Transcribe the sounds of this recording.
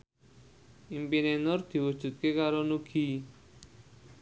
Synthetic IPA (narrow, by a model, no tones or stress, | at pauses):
impinenɔɾt̪ʰiwot͡ʃut̪̚kekaɾɔnukʰi